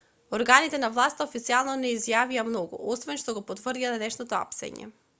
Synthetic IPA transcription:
oɾɡanit̪ɛnavlˠast̪aofit̪sialˠnɔnɛizjaviamnɔɡṵɔsvɛnʃt̪ɔɡɔpot̪vr̩d̪iad̪ɛnɛʃnɔt̪ɔa̰psɛ̰ɲɛ̰

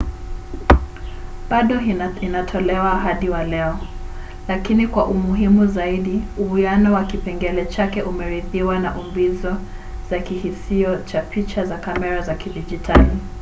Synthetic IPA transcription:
ɓaɗɔinatʰɔlɛwaɦaɗiwalɛɔ | lakinikwaʔumuɦimuzaiɗiuujanɔwakipɛŋɡɛlɛt͡ʃakɛʔumɛɾiðiwanaʔumbizɔ | z̥akihisiɔt͡ʃapʰit͡ʃazakamɛɾazakiɗid͡ʒitʰali

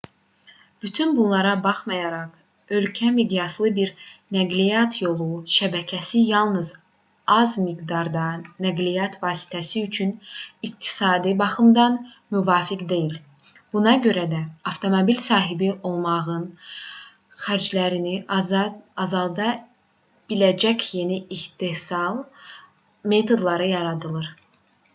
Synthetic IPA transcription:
b̥yt̪ʰynbunlˠɑɾɑbɑχmɑjɑɾɑχ | ø̞lcʰæmid̪ijɑslˠɯbiɾnæɡlijɑt̪ʰjo̞lˠuʃæbæcʰæsijɑlˠnɯz | ɑzmiɡd̪ɑɾd̪ɑnæɡlijɑt̪ʰvɑːsi̥t̪ʰæsiyt͡ʃʰynikt̪ʰi̥sɑːd̪ibɑχɯmd̪ɑn | myvɑːfikd̪e̞jil | b̥unɑɟø̞ɾæd̪æɑft̪ʰo̞mobilsɑːɦibiʔo̞lˠmɑʁɯn | χæɾd͡ʒlæɾiniː | zɑlˠd̪ɑ | b̥ilæd͡ʒæcʰje̞niiçt̪esɑlˠ | me̞t̪ʰo̞d̪lˠɑɾɯjɑɾɑd̪ɯlˠɯɾ

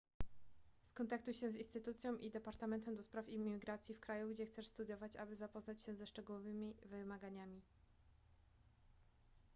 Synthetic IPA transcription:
skɔnt̪akt̪ujɕɛzĩnst̪ɘt̪ut̪sʲjɔ̃w̃ʔid̪ɛpaɾt̪amɛnt̪ɛmd̪ɔspɾafimiɡɾat̪sʲjifkɾajuɡd͡ʑɛxt̪sɛʂst̪ud̪jɔvat͡ɕabɘzapɔznat͡ɕɕɛzɛʂt͡ʂɛɡuwɔvɘmʲivɘmaɡaɲamʲi

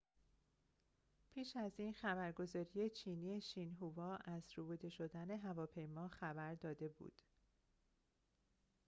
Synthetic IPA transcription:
pʰiːʃæziːnxæbæɾɡo̞zɒːɾije̞t͡ʃʰiːniːe̞ʃiːnɦuvɒːʔæzɾubud̪e̞ʃo̞d̪æne̞ɦævɒːpʰe̞jmɒːxæbæɾd̪ɒːd̪e̞bṵd̪̥

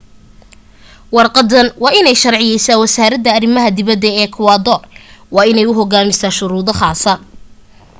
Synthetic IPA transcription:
wɑrqɑd̪ɐnwɑːɪnɛjʃɐrʕɪjɛjsaːwɐsaːɾɐd̪ɐːrɪmɐɦɐd̪ɪβɐd̪ɛɛːkʰʊwɑːd̪ɔwɑːɪnɛjʊɦɔɡaːmɪsaːʃʊɾuːðɔχɑːsɐ

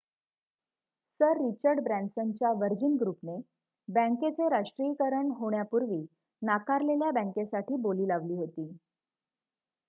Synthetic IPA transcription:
səɾːit͡ɕəɾɖbɾænsənt͡ɕjaʋəɾd͡ʑinɡɾupne | bə̃ŋket͡seɾaʂʈɾiːkəɾəɳɦoɳjapuɾʋiː | nakaɾleljabə̃ŋkesaʈiːboliːlaʋliːɦot̪iː

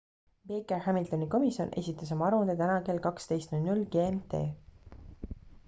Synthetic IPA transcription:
b̥e̞ːkehæmilt̪oniko̞misio̞̰nʔe̞sʲit̪ːˑɑs̬omɑɑɾund̪et̪ænɑke̞ːlkɑkst̪e̞jst̪nulʲnulɡe̞ːemt̪e̞ː

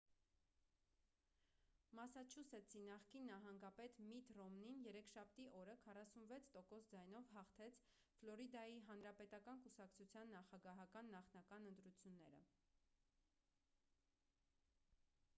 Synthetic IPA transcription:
mɑsɑt͡ʃʰusɛt͡sʰinɑχkinːɑɦɑŋɡɑpɛt̪mit̪rɔmninjɛɾɛkʰʃɑp̚ʰt̪iʔɔɾəkʰɑrɑsunvɛt͡sʰt̪ɔkɔsd͡zɑjnɔvɦɑχt̪ʰɛt͡sʰ | flɔɾid̪ɑjiɦɑnɾɑpɛt̪ɑkɑnkusɑkt͡sʰut͡sʰjɑnːɑχɑɡɑɦɑkɑnːɑχnɑkɑnənt̪ɾut͡sʰjunːɛɾə̰

